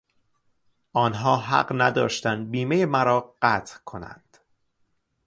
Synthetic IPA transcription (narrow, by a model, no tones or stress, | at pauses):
ʔɒːnɦɒːɦæ̰ɢnæd̪ɒːʃt̪ænd̪̚biːmejemæɾɒːɢæt̪ʰkʰo̞næ̰nd̪̥